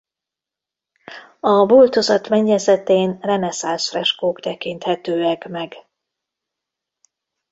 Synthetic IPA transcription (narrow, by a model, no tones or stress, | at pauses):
ɒbult̪o̞zɒt̪mɛɲːɛzɛt̪eːnrɛnɛsansfrɛʃkoːkt̪ɛkint̪hɛt̪øːɛkmɛɡ